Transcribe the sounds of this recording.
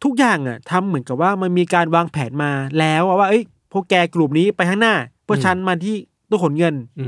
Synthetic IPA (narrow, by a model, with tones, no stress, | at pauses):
t̪ʰu˦˥k̚jaː˨˩ŋʔa˨˩t̪ʰa˧mːɯ˩˦nka˨˩p̚waː˥˩ma˧nmiː˧kaː˧nwaː˧ŋpʰɛː˩˦nmaː˧lɛː˦˥wa˥˩waː˥˩ʔɤ˦˥j | pʰɔ˧kɛː˧klu˨˩p̚niː˦˥pa˧jt̪ʰa˥˩naː˥˩pʰɯ˥˩ɐt͡ɕʰa˦˥nmaː˧t̪ʰiː˥˩ | t̪ɔ˥˩ko˩˦nŋɤ˧n